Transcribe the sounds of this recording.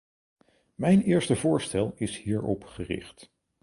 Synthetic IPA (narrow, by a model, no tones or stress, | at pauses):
mɛjnɪːɹstəvʊːɹstɛlˠɪshiːɹɔpχərɪ̰χt